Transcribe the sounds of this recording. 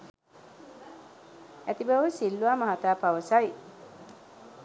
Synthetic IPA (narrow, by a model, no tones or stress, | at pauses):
æt̪ibɐʋusilːuaːmɐɦat̪aːpɐʋɐsɐj